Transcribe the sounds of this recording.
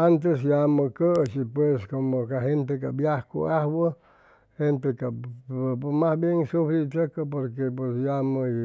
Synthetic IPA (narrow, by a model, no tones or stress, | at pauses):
ant̪̬esjaməkət͡ʃipweskomokaɦent̪̬ekabjahko̰ahwə | hent̪eka | masbjeŋsufɾit͡ʃəkəpoɾkep̬wesjamə